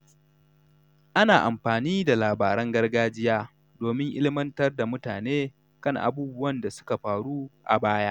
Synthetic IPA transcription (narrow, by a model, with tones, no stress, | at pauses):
ʔa˦naː˨ʔa˨mɸaː˨niː˦da˨laː˨baː˨ɾɐ˦ŋɡɐ˦rɡaː˦d͡ʒɪ˦jaː˦ | doː˨mɪ˦ŋʔɪ˦lɪ˦mɐ˦ntɐ˦rda˨mʊ˦taː˨neː˦ | kɐ˦˨ŋʔa̰˨buː˦bʊ˦wɐ˦nda˨sʊ̥˦ka˨ɸaː˨ɽuː˦ʔa̰˨baː˦jaː˦ʔ